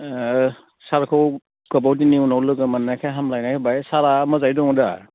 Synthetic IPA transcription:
saɾkʰɯw | kɔbawdiniunawlɯɡɯmanːajkʰaɦamlajnakʰebajsaɾamɯzajdɔŋda̰

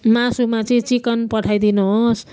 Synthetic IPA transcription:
masumat͡sʌĩt͡sikʌnpʌʈʰajd̪inuɦos

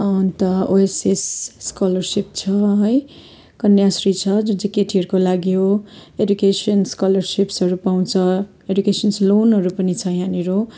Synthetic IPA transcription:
ʌt̪ʌoesesːkalʌrsip̚t͡sʰʌɦʌj | kʌnjasrit͡sʰʌd͡zud͡zikeʈʰiɦʌɾukolaɡjoedukesʌnskʌlʌrsipsʌɾupaw̃t͡sʰʌ | edukesʌnslonɦʌɾupʌnit͡sʰʌjaniɾo

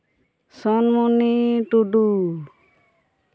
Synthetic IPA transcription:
sɔnmuniʈuɖu

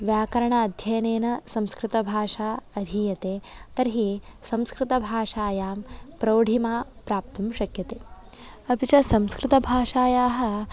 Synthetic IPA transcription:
ʋjaːkɐɾɐɳaɐd̪ʱjɐjɐneːnɐsɐ̃mskɾɪt̪ɐbʱaːʂaːɐd̪ʱijɐt̪eːt̪ɐɾɦisɐ̃mskɾɪt̪ɐbʱaːʃaːjaːmpɾɐwɽʱimaːpɾaːp̚t̪umʃɐkjɐt̪eː | ɐpit͡ʃɐsɐ̃mskɾɪt̪ɐbʱaːʂaːjaːɦɐ̆

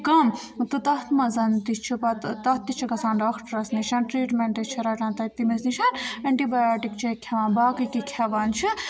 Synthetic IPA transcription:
kɐm | t̪ɨt̪ɐt̪mɐzɐnt̪it͡ʃʰipɐt̪t̪ɐt̪ːit͡ʃʰikɐsaːnɖaːkʰʈɐɾɐsniʃɐnʈɾiːʈmeɳʈɐt͡ʃʰiɾaʈaːnt̪ɐt̪ːimesniʃɐnɐɳʈibajaːʈikt͡ʃʰekʲʰɐʋaːnbaːkɨkikʲʰɐʋant͡ʃʰi

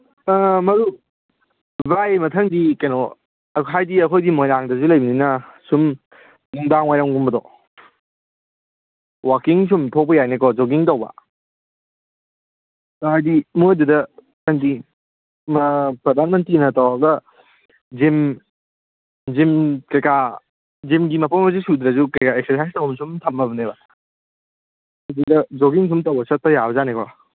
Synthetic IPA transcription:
amɐɾu | bajmɐtʰɐŋdikɐjnɔ | ɦajdiɐkʰojdimojnaŋdɐzulɐjbininɐsum | nuŋdaŋwajɾaŋɡumbɐdɔ | wakiŋsumtʰok̚pɐjajnekɔzoɡiŋtɐwbɐ̰ | tɦajdimududɐ | kandi | mɐpɾɐd̪ʱanmɐnt̪ɾinɐtawaɡɐ | d͡ʒim | d͡ʒimkɐjka | d͡ʒimɡimɐpʰɔmas̬isud̪ɾɐzukɐjkaeksesajstɐwmsumt̪ʰɐmːɐbɐneba | ajdudɐd͡ʒokiŋs̬umtɐwbɐsɐt̚tɐjabɐzanekɔ̰

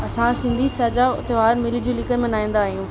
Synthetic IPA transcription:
ɐsãsɪ̃nd̪ʱisɐːd͡ʑaʊ̰t̪ʋaːɾmɪlid͡ʑiũlɪkəɾmẽnaːĩːn̆d̪aːɦijũː

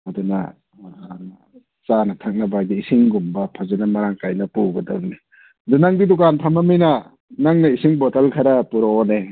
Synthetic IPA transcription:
ɐdunɐ̰ | t͡ʃanɐtʰɐk̚nɐbadiːsiŋɡumbɐpʰazanɐmɐɾaŋkajnɐpuɡɐdɐbni | dunaŋdidukanpʰamaminɐ | naŋnɐisiŋbotalkʰaɾɐpuɾaone

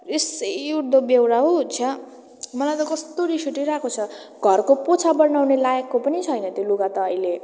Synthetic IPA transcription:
esejuɽd̪obewɾaɦot͡sʰʌ | mʌlajt̪ʌkʌst̪oɾisuʈiɾakʰot͡sʰʌɡʱʌrkopot͡sʰabʌɾnawnelajakːopʌnit͡sʰʌjnʌt̪joluɡat̪ʌːile

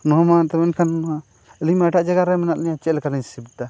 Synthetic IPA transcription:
nɔɦamat̪ɛmɛnkʰana | əlimɛʈaʔd͡ʒaɡaɾɛmɛnaʔ̪niɲat͡ʃɛlkaliɲsibt̪a

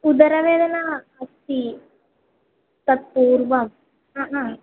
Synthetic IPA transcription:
ud̪ɐɾɐʋeːd̪ɐnaɐst̪i | t̪ɐt̪̚puːɾʋɐm | ɦaɦã

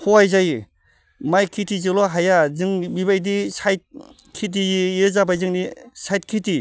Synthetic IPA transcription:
hoajzaj | majkʰitʰizɯlɔɦajazɯŋbiβajdisajt̚ | kʰit̬iiɯzabajzɯŋnisajt̚kʰiti

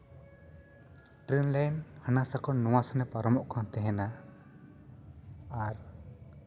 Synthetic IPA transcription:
ʈɾinlajnhənasakɔnːɔwasanɛpaɾɔmɔʔkʰãnt̪ɛɦɛna | aɾ

